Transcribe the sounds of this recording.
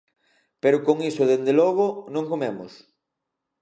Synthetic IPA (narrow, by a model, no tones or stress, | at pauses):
peɾʊkoŋisoðend̪elɔɣ̞onõŋkomemʊ̰s